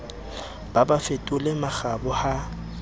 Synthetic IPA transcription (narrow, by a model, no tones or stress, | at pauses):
b̥abafetʼʊlemaɣabʊha